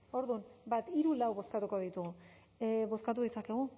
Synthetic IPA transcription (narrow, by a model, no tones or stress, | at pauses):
o̞ɾðunbat̪iɾulawβo̞skat̪uko̞ð̞it̪uɣu | βo̞skat̪uðit͡sake̞ɣ̞u